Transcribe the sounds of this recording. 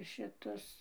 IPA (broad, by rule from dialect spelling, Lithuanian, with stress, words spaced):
ʃʲɪˈtʊs